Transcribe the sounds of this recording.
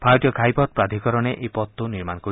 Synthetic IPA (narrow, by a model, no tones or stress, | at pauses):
pʰajɔʈijɔɡʱajpɔt̪̚pɾad̪ʱikɔɾɔñeʔejpɔt̪ːuniɾmankɔɾi